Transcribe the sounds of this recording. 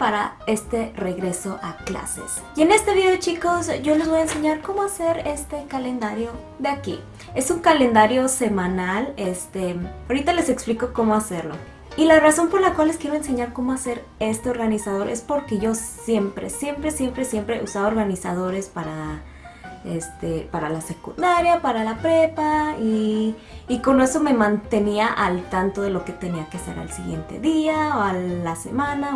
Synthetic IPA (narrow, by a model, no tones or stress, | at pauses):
paɾa | e̞st̪e̞re̞ɣɾe̞so̞ʔakla̰se̞̰s | je̞ne̞st̪eðioðet͡ʃiko̞sɟ͡ʝo̞le̞zβo̞jaense̞ɲaɾko̞mo̞ase̞ɾe̞st̪e̞kale̞nd̪aɾjo̞ | ðeakḭ | e̞suŋkale̞nd̪aɾjo̞se̞mãnalest̪eaoɾit̪ale̞se̞kspliko̞ko̞mo̞ase̞ɾlo̞̰ | ilaraso̞mpo̞ɾlakwalːe̞skjeɾo̞ens̬e̞ɲaɾkomo̞ase̞ɾ | e̞st̪e̞o̞ɾɣanisað̞o̞ɾʔe̞spo̞ɾke̞ʝo̞sje̞mpɾe̞̰sje̞mpɾe̞sje̞mpɾesje̞mpɾe̞̰ʔusaβaoɾɣanisað̞o̞ɾe̞spaɾa | ḛst̪epaɾalase̞kund̪aɾjapaɾalapɾepaiː | ko̞noe̞so̞me̞mãnt̪e̞niaʔalt̪ant̪o̞ðe̞lo̞ke̞t̪e̞niakease̞̰ɾa̰lsiɣje̞̰nt̪e̞̰ðiaoalase̞̰mãna